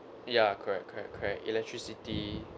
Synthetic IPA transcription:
jakʰəɹɛk̚kʰəɹɛ̰kkʰəɹɛk̚ḭlɛk̚tʰɹisiti

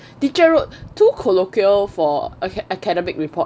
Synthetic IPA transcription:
tit͡ʃəɹot̚tʰːukʰolokiəlfɔəkɛdɛmɪk̚ɹipʰɔt̚

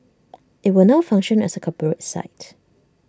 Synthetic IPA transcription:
ʔɪt̚wɪlnaʊfãŋʃə̃nɛ̰səkʰɔpəɹətsa̰ɪt

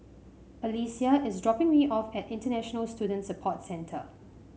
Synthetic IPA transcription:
əlisiəʔɪsdɹɔpɪ̃ŋmiʔɔfɛtɪ̃ntənɛʃɔnəlstjuːdə̃ntsəpʰɔtsɛ̃ntʰə̰

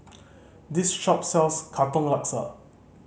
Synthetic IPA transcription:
d̪isʃɔp̚sɛlskʰat̪ɔ̃ŋlaksə̰

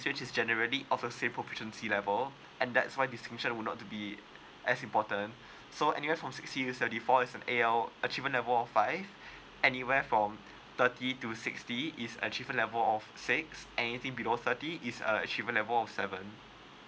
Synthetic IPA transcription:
sɹet͡ʃisd͡ʒɛnəɹəliʔɔfdəsẽmpʰɹofiʃə̃nsilɛvəl | ʔɛ̃nd̪ɛtswaɪdistɪ̃ŋʃə̃nwunɔ̰tːubi | ʔɛsĩmpɔtə̃n | soɛ̰niwɛfɹɔ̃msɪkstitusɛvə̃ntifɔisɛ̃neɛlət͡ʃivə̃nlɛvəlɔfːaɪv | ɛniwɛfɹɔ̃m | t̪ətitusɪkstiisə̰̃nət͡ʃivə̃nlɛvəlɔfsɪksɛnit̪ɪ̃ŋbiloθətiʔisə̰ə̰t͡ʃivə̃nlɛvəlɔfsɛvə̃n

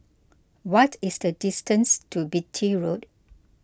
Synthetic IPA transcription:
wɔtisdədistə̃nstʰubitʰiɹot

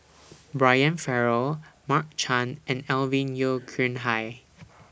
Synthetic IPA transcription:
bɹajə̃nfɛɹəlmak̚t͡ʃʰãnɛ̃nɛlvĩnjokʰɹĩnɦaj

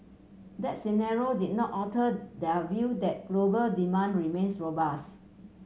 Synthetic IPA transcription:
dɛt̚sinaɹiodit̚nɔtɔtədɛvjudɛt̚ɡ̥lobəldimãndɹimẽnsɹobas

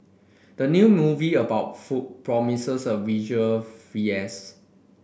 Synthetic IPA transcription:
d̥ənjumuviəbaʊt̚fut̚pɹɔmisəsɔvid͡ʒuəlfiɛs

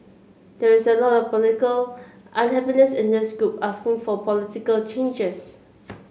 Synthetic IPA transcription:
d̥ɛɹɪsəlɔtɔfpɔlɪtɪkəlʔãnɦɛpinəsɪ̃ndɪsɡɹupaskɪ̃ŋfɔpʰɔlɪtikəlt͡ʃẽnd͡ʒəs

